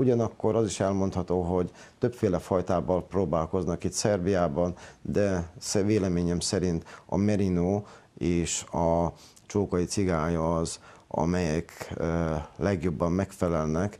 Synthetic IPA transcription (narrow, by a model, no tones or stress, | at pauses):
uɟɒnɒkːo̞ɾɒziʃɛlmo̞nt̪hɒt̪oːɦo̞ɟ | t̪øpfeːlɛfɒjt̪aːbɒlproːbaːlko̞znɒkit̪sɛrbijaːbɒnd̪ɛsveːlɛmeːɲɛmsɛɾint̪ɒ̰mɛɾinoːeːʃɒ | t͡ʃoːkɒjit̪siɡaːjɒːzɒ̰mɛjɛkː | lɛɡjo̞bːɒmːɛkfɛlɛlnɛk